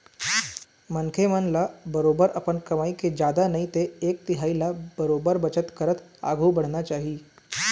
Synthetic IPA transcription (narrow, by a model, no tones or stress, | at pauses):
mənkʰemənlabəɾobəɾapəɳkəmaiked͡ʑad̪anait̪eːk̚t̪iɦailabəɾobəɾbət͡ɕət̪kəɾət̪a̰ɡʱuːbəɽ̤ɳat͡ɕaɦiː